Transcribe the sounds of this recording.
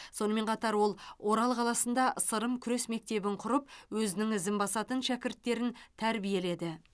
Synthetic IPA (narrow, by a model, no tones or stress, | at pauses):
so̞nəme̞ɴqʰɑt̪ɑɾwo̞lˠwʔo̞ɾɑlˠqʰɑlˠɑsənd̪ɑʔəsəɾəmkʲʰʏɾe̞sme̞k̚t̪e̞bɪɴqʰʊɾəpwɵzɪnɪŋɪzɪmbɑsɑt̪ənʃækʲɪɾt̪ːe̞ɾɪnt̪ʰæɾbije̞le̞d̪ɪ